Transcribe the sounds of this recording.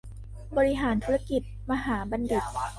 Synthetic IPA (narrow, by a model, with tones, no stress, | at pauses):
bɔː˧ɾi˦˥ɦaː˩˦nt̪ʰuː˦˥ɾa˧ki˨˩t̪̚ma˧ɦaː˩˦ba˧ndi˨˩t̪̚